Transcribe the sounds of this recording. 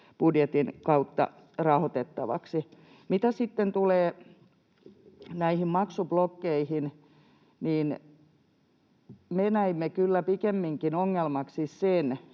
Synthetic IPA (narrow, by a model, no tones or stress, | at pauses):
b̥udjet̪inkɑut̪ːɑ̰ | rɑhot̪et̪ːɑʋɑ̰ksi | mit̪æsit̪ːent̪uleː | næihimmɑksublokːeihin | niːn | menæimːekylːæpikemːiŋkinoŋːelmɑksissen